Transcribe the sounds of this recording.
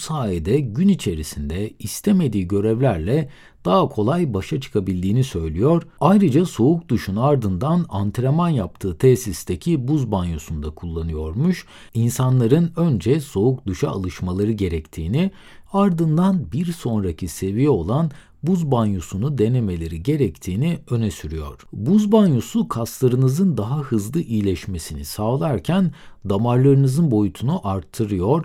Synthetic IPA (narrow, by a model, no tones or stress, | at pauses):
bsaːjed̪ɛɟynit͡ʃʰe̞ɾisind̪ɛist̪ʰeme̞d̪iːɟø̞ɾɛvlʲæɾlʲɛ | d̪̥aɦakʰo̞lˠajbaʃat͡ʃʰɯ̥kʰabilʲd̪iːnisø̞jlʲijo̞ɾ̥ajɾɯd͡ʒaso̞uk̚d̪uʃunaɾd̪ɯnd̪anant̪ʰɾamanjap̚t̪ʰɯːt̪ʰɛsist̪ecʰibuzbanjusund̪akʰulˠːanɯjo̞ɾmuʃ | insanlˠaɾɯnø̞nd͡ʒɛso̞ukd̪uʃa̰ːlˠɯʃmalˠaɾɯɟe̞ɾɛct̪ʰiːni | aɾd̪ɯnd̪anbiɾso̞nɾacʰise̞vijɛo̞lˠan | buzbanjusunud̪e̞ne̞me̞lʲeɾiɟe̞ɾɛct̪ʰiːniø̞nɛsyɾyjo̞̰ɾ̝̥buzbanjusukʰaslˠaɾɯnɯzɯnd̪aɦaɦɯzlˠɯʔijlʲɛʃme̞sinḭsalˠaɾcʰænd̪amaɾlˠaɾɯnɯzɯnbo̞jut̪ʰunuʔaɾt̪ʰːɯɾɯjo̞ɾ